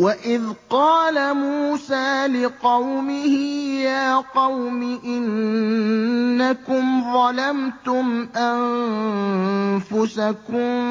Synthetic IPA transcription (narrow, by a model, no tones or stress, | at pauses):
waʔɪðqɑːlamuːsaːlɪqɑwmɪhɪjaːqɑwmɪʔɪn | akʊmðˤɑlamt̪ʊmʔan | fʊsakʊm